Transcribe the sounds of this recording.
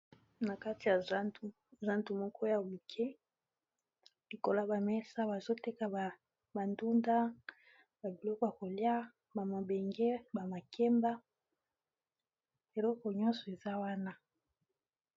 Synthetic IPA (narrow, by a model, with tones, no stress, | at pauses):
na˨ka˦ti˨ja˨˦u˦˨ | za˦ntu˨mɔ˦kʰɔ˦ja˨wi˨kʰe˦ | li˨ko˨la˦ba˨mɛ˦sa˦ba˨zo˦te˦ka˨ba˨ | ba˨ndu˦nda˦ | ba˨bi˨lɔ˦kɔ˨ja˨ko˨lja˦ | ba˨mo˨be˨ŋɡe˦ba˨ma˨kʰɛ˦mba˦ | e˨lɔ˦kɔ˨ɲɔ̃˦nsɔ˨e˨za˦wa˦na˦